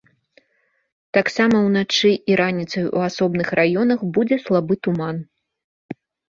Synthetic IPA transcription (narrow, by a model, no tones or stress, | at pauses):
t̪aksamɐwnat͡ʂɨʔiɾanʲit̪sɐjṵasɔbnɨxrajɔnɐxbud͡zʲɛslˠabɨt̪uman